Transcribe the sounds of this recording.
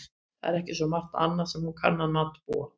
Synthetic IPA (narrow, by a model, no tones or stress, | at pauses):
θa̰ɛɾɛhcɪ̥svɔmar̥t̪a̰nːasɛmhunkʰa̰nːanat̪ːpo̰